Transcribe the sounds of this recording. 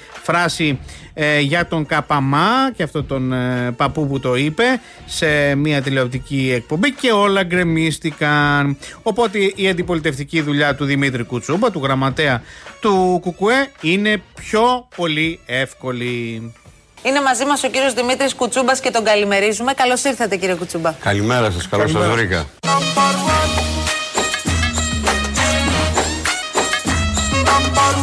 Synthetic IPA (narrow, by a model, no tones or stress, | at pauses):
fɾɐsi | ʝɐt̪o̞ŋkɐpɐmɐceɐft̪o̞t̪o̞npɐpuput̪o̞ipe̞ | se̞miɐt̪ele̞op̚t̪iciek̚po̞mbice̞o̞lɐɡɾe̞mist̪ikɐno̞po̞t̪eiɐnd̪ipo̞lit̪e̞ft̪iciðuʎɐt̪uðimit̪ɾikut͡subɐt̪uɣɾɐmɐt̪e̞ɐt̪ukukue̞ine̞pço̞po̞lie̞fko̞li | ine̞mɐzimɐso̞ciɾio̞zðimit̪ɾiskut͡subɐsce̞t̪o̞ŋɡɐlime̞ɾizume̞kɐlo̞siɾθet̪eciɾiekut͡subɐkɐlimeɾɐs̬ɐskɐlossɐzvɾikɐ̰